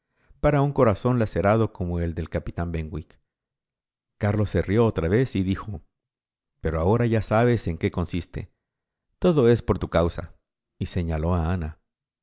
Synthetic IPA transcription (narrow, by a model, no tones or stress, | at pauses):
paɾauŋko̞ɾaso̞nlase̞ɾað̞o̞ko̞mo̞e̞ld̪e̞lkapit̪ambeŋɡwik | kaɾlo̞sːe̞rjo̞ot̪ɾaβe̞siðixo̞ | pe̞ɾo̞ao̞ɾaʝasaβe̞se̞ŋke̞ko̞nsist̪e̞̰ | t̪o̞ðo̞e̞spo̞ɾt̪ukawsa̰ | ise̞ɲalo̞aana